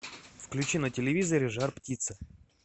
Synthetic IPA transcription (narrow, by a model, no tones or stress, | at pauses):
fklʲʉt͡ɕinətʲɪlʲɪvʲizəɾʲɪʐarptʲit̪sɨ